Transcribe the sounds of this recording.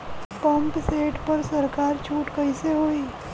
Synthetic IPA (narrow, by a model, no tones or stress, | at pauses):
pɐ̃mpseːʈpɐɾsɐɾkaːɾt͡ʃʰuːʈkəɪseɦoːiː